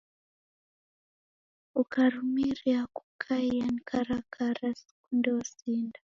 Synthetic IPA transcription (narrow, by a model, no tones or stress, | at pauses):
ukaɾumiɾiaku̥kʰaianikʰaɾakʰaɾask̚undɛasiːnda